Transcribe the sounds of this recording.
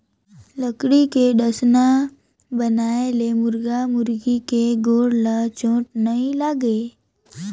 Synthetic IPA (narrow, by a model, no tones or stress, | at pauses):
ləkɽikeɖəsna | bənaːelemʊɾɡamʊɾɡikeɡoːɽlat͡ʃõːʈnɐɦĩlaːɡeː